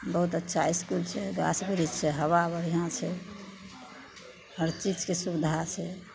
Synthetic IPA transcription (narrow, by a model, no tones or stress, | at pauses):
bəɦut̪ətːʃʰaiskult͡ʃʰɛɡa̰sbiɾid͡ʒt͡ʃʰɛɦəwabəɾiɦãt͡ʃʰɛ | həɾt͡ʃit͡ʃkesubid̪ʱat͡ʃʰɛ